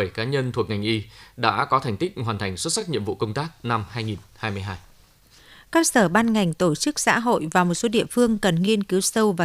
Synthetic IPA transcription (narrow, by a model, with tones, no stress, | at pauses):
ə˧˩jkaː˨˦ɲə˧nt̪ʰu˨˩ək̚ŋa˨˩jŋ̟ʔi˧ɗa̰ː˧˥kɔ˨˦t̪ʰjŋ̟t̪ï˦˥k̚hwaː˨˩nt̪ʰa˨˩ŋ̟swə˦˥t̚sa˦˥k̚ɲḭ˧˨əmvṵ˧˨kə˧wŋ͡mt̪aː˦˥k̚na˧mhaː˧jŋi˨˩nhaː˧jmɨ˧əjɦaː˧j | kaː˦˥k̚səː˧˩ɓaː˧nŋa˨˩jŋ̟t̪o˧˩t͡ɕɨ˦˥k̚sa̰ː˧˥ɦo̰˧˨jvaː˨˩mo˨˩t̚so˨˦ɗḭ˧˨əfɨ˧əŋkə˨˩nŋi˧ənki˨˦wsə˧wvaː˨